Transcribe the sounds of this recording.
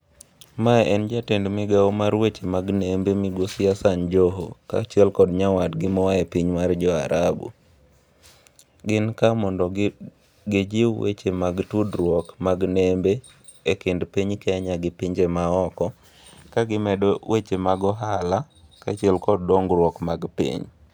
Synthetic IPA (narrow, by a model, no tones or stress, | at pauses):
maʔɛnd͡ʒatendmɪɡaomaɾwet͡ʃemaɡnembemɪɡosɪasand͡ʒoɦo̰ka̰t͡ʃɛlkɔdɲawadɡɪmɔwaɛpiɲmard͡ʒɔa̰ɾʔabṵ | ɡɪnkamɔndɔ | ɡɪd͡ʒɪwḛt͡ʃemaɡtudɾwɔkmaɡnembe | ekendpiɲkɛaɲaɡɪpiɲd͡ʒemaɔkɔ | kaɡɪmɛdɔwʔet͡ʃemaɡɔɦala | kat͡ʃiɛlkɔd̚ːɔŋɡɾwɔkmaɡpḭɲ